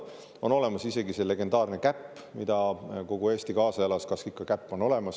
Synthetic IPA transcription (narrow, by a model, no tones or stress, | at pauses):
o̞no̞le̞mɑsise̞ɡise̞le̞ɡe̞nd̪̥ɑːrnekæpːmid̪̥ɑko̞ɡ̥ue̞ːst̪ikɑːsɑjɑlɑskɑskikːˑɑkæpːo̞no̞le̞mɑs